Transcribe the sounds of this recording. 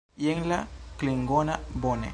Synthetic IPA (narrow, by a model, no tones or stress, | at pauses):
jeŋlakliŋɡɔnabonḛ